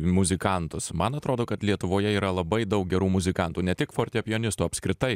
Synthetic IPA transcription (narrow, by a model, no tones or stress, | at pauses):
mʊzʲɪkɐnt̪ʊsmɐnɐt̪ɾoːd̪oːkɐt̪lʲiɛt̪ʊʋoːjɛiːɾɐlˠɐbɐɪd̪ɐʊk̚ɡʲɛɾuːmʊzʲɪkɐnt̪uːnʲɛt̪ʲɪkfoːɾʲt̪ʲɛpʲɪoːnʲɪst̪uːɐpʲskɾʲɪt̪ɐɪ